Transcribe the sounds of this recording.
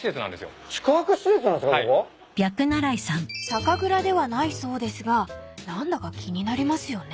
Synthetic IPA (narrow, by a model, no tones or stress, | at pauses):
ɕi̥set͡sɨnã̰nd̪esɨjo̰t͡ɕi̥kaakɯ̟ɕiset̪sɨnãnd̪eskaao | b̥ʲakɯ̟naɾaisãŋsakaɡɯ̟ɾad̪e̞βanaiso̞ːd̪e̞sɨɡanãnd̪akakʲʰiɲ̟inaɾʲimasɨjo̞ne